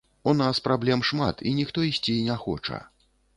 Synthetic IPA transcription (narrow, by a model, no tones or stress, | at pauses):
unaspɾablʲɛmʂmat̪ʰḭnʲixt̪ɔisʲt͡sʲinʲaxɔ̰t͡ʂɐ̰